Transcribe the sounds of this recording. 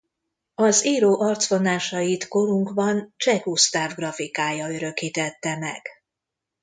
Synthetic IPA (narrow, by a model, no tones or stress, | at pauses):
ɒziːɾoːʔɒrt̪sfo̞naːʃɒjit̪ko̞ɾuŋkbɒnt͡ʃɛkust̪aːvɡrɒfikaːjɒø̞ɾø̞kiːt̪ɛt̪ːɛmɛ̰ɡ̥